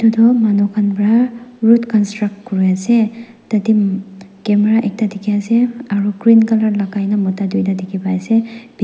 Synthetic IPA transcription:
tudɔmanɔkʰanbɹaɹutkɔnstɹak̚tkɔɹijasɛ | tatikɛmɛɹaʔɛk̚tadikʰiaseaɹuɡɹinkalaɹlakajnamɔtadujdadikʰibaasɛbi

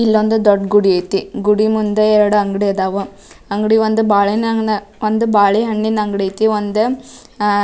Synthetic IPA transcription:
ilːond̪ud̪oɖɡuɽiɐjt̪iɡuɽimund̪ɐɛɾɐɽuɐŋɡɽiɐd̪aːʋu | ɐŋɡɽiʋond̪ubaːɭinɐŋɡnɐ | ond̪ubaːɭiɦɐɳːinɐŋɡɽiɐjt̪iond̪u

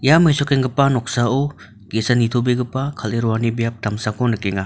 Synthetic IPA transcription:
jamɐjsɔkeŋɡɐpanɔk̚sao | ɡesanitʰobeɡɐpakʰaleɾɔwanibijap̚tamsakɔnɐkeŋa

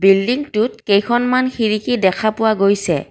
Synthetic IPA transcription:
bildiŋtut̚kejkʰɔnmanxiɹikidɛkʰapʊwaɡojsɛ̰

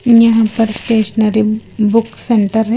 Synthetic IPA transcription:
jɐɦãpɐɾsʈeːʃnəɾibʊkseɳʈəɾɦɛ

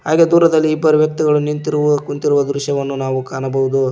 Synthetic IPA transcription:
ɦaːɡeːd̪uːɾɐd̪ɐlːiːbːɐɾuʋjɐk̚t̪iɡɐɭunint̪iɾukunt̪iɾuʋɐd̪ɾuʃjɐʋɐnːunaːʋukaːnɐbɐʋud̪u

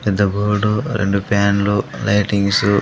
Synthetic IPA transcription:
pɛd̪ːɐɡoːɽuɾḛɳɖupaːnlulɐjʈiŋɡsu

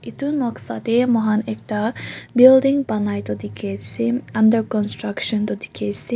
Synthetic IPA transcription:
it̪unɔksa̰t̪emɔɦanek̚ʈabild̪iŋbanajt̪ɔd̪ikʰet̪siɐndəɾkɔnsʈɾakʃɔnt̪ɔd̪ikʰet̪si

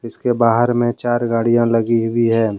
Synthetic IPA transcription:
ɪskebaːɦəɾmẽt͡ʃaːɾɡaːɽijãləɡiɦʊiɦɛː

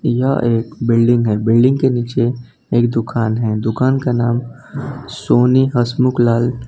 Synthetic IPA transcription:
jɐʔeːkbɪlɖɪ̃ŋɡɦɛːbɪlɖɪ̃ŋɡkeniːt͡ʃe | eːkd̪ʊkʰaːnɦɛd̪ʊkaːnkanaːm | soːniɦəsmʊklaːl

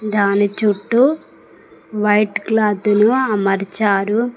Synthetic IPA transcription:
d̪aːnit͡ʃuʈːu | ʋɐjʈklaːd̪unuɐmɐɾit͡ʃaːɾu

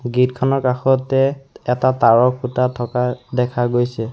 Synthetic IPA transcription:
ɡitkʰɔnɔɹkaxɔtɛɛtataɹɔk̚ʰːutatʰɔkadɛkʰaɡojsɛ

